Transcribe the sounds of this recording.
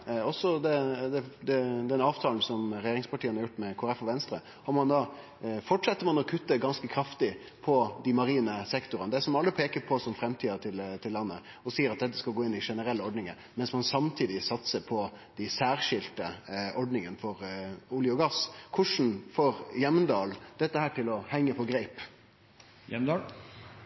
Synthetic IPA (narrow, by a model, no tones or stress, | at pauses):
ɔsːɔd̪ɛd̪ɛd̪ɛd̪ɛnɑːʋt̪ʰɑːln̩sɔmɾɛjeːɾɪŋspɑʈʰiːənɑɾjʊʈːmɛkʰoːɾɛfɔʋɛnst̪ɾə | ɑmmɑnd̪ɑ | fɔʈʂɛt̪ːəmɑnɔkʰʉt̪ːəɡɑnskəkʰɾɑft̪ɪ | pʰɔd̪ɪmɑɾiːnəsɛkt̪ʊɾənəd̪æsɔmɑlːəpʰeːkəɾpʰɔsɔmfɾɛmt̪ʰiːɑt̪ʰɪlt̪ʰɪlːɑnːə | ɔsiːəɾɑt̪̚d̪ɛt̪ːə̥skɑlɡoːɪnːɪʂɛnəɾɛlːəɔɖnɪŋən | mɛnsmɑnsɑmt̪ʰiːd̪ɪsɑt̪səpʰɔ | d̪̥æɪsæːɾʂɪlt̪əʔɔɖnɪŋənfɔɾʊljʊɡɑskʰʊʂn̩foːɾjɛmnd̪ɑːld̪̥ɛt̪ːəhæːʈɪlɔhɛŋːəpʰɔɡɾæɪp | jɛ